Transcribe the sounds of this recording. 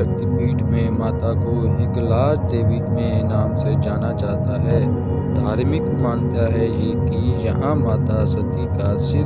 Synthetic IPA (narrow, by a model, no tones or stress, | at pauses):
ək̚t̪biːʈmẽmaːt̪akonɪɡlaːsd̪eːʋiːtmẽnaːmsed͡ʒaːnat͡ʃaːɦt̪aɦɛː | d̪ʱaːɾmɪkmaːnt̪aɦɛjeːkijɐɦãmaːt̪asɐt̪ikasɪ